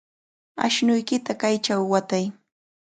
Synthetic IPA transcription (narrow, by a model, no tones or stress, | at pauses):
a̰ʃnʊjkɪt̪akajt͡ʃawːat̪aj